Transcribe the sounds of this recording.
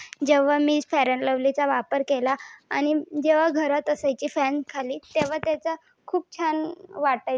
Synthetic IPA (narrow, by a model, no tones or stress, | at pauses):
d͡ʑeʋ̤amiːd͡zfɛɾəɳləʋlit͡saʋapəɾkelaːñid͡ʑeʋ̤aɡʱəɾat̪əsajt͡ɕiːfɛnskʰaliːt̪eʋ̤at̪jat͡sa | kʰuːp̚t͡ɕʰanʋaʈa